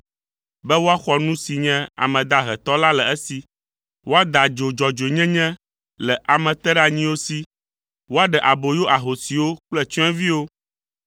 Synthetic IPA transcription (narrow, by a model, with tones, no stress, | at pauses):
bɛ˦wo˦a˦xɔ˨nũ˦si˨ɲɛ̃˦a̰˨mɛ̃˨d̪a˦ɦɛ˨t̪ɔ˦la˦lɛ˨ɛ˦si˨ | wo˦a˦d̪a˨d͡ʒo˨d͡ʒɔ˨d͡ʒe˨ɲɛ̃˦ɲɛ̃˦ | lɛ˨ʔa˨mɛ̃˨t̪ɛ˦ɖa˨ɲĩ˦wo˦si˦ | wo˦a˦ɖɛ˨ʔa˨bo˨jo˦ʔa˨ɦo˨si˨wo˦k͡plɛ˦t͡ʃɔ̃˦ɛ̃˦vi˦wo˦